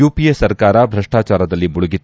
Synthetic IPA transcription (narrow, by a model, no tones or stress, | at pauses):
uːpijesɐɾkaːɾɐbʱɾɐʂʈaːt͡ʃaːɾɐd̪ɐlːimuɭuɡit̪